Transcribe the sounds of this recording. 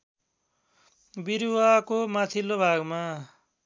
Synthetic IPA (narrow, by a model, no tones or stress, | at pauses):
biɾuwakomat̪ʰilobʱaɡma